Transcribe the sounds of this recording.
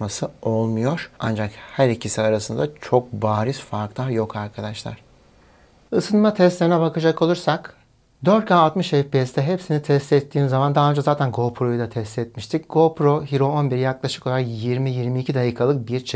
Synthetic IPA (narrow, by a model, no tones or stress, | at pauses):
masɯolˠmujo̞ɾ̥a̰nd͡ʒakhæɾicʰisiaɾasɯnd̪at͡ʃʰo̞k̚baːɾisfaɾkt̪ˠajo̞kʰaɾkʰad̪aʃlˠa̰ɾ̥ | ɯsɯnmat̪ʰɛst̪lʲeɾinɛbakʰɯd͡ʒakʰo̞lˠuɾsak | d̪øɾt̪̚kʰaːlˠt̪mɯʃɛfpiɛst̪ɛɦepsinit̪ʰɛst̪ɛt̪ʰːiːnzamand̪aɦaːønd͡ʒazaːt̪ʰænɡo̞pʰɾo̞jud̪at̪ʰɛst̪ɛt̪̚miʃt̪ʰicɡ̥opɾo̞ɦiɾo̞onbiɾjaklˠaʃɯ̥ko̞lˠaɾakjiɾmijiɾmiːcʰid̪ajiːkʰalˠɯk̚biɾt͡ʃʰ